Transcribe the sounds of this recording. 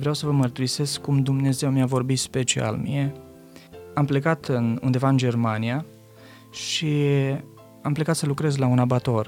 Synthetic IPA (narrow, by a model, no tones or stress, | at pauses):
vɾeawsəvəmərt̪uɾise̞skkːumd̪umne̞ze̞wmiavo̞rbit̪spe̞t͡ʃia̰lmḭe | ample̞kat̪ɨnṵnd̪e̞vaɨnd͡ʒe̞rmanija | ʃi | ample̞kat̪səlukɾe̞zlaunabat̪o̞r